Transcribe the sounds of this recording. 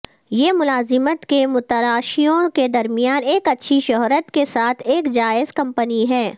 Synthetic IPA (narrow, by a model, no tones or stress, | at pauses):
jemʊlaːzɪmət̪kemʊt̪əɾaːʃijõked̪ɐɾmɪjaːneːkɐtːʃʰiʃʊɦɾət̪kesaːt̪ʰeːkd͡ʒaːɪzkɐ̃mpəniɦɛː